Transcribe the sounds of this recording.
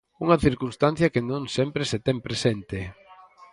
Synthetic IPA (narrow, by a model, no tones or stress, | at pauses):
uŋɐθiɾkunst̪an̟θjɐkenõŋsɛmpɾeset̪ɛmpɾesent̪e